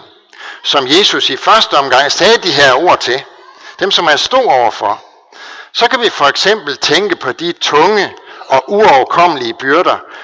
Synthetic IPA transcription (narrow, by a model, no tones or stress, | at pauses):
sɒ̽mje̝ːsusifɶɐsd̥əɒ̽mɡ̥ɑ̈ŋ̰sɛːd̥iɦæɐ̰o̝ɐ̰t͡sʰe̝ | d̥emsɒ̽mhænsd̥o̝̰ːɒʊ̰ɐfɒ̽ | sɒ̽kʰæʋifɒ̽eɡ̥sem̰b̥l̩t͡sʰeŋɡ̥əpʰɒ̽d̥it͡sʰɔ̽ŋəɒ̽ʔuɒʊkʰɒ̽m̰əliəb̥yɐɾ̥ɐ